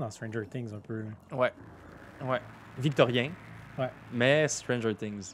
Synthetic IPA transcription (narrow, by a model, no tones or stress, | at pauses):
d̪ɑ̃st̪ʁɛ̃nd͡ʒəɹt̪ɪ̃ŋzɛ̃pøwɛ | wɛ | vik̚t̪ɔʁjɛ̃wɛ | mɛst̪ɹɛ̃nd͡ʒə˞t̪ɪ̃ŋz